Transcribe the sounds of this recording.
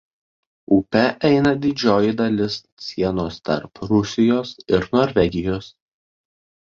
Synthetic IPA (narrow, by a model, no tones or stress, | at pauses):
upʲɛʔɛɪnɐd̪ʲɪd͡ʒʲoːjɪd̪ɐlʲɪs | sʲiɛnoːst̪ɐ̰ɾpɾʊsʲɪjoːsɪɾnoːɾʲʋʲɛɡʲɪjoːs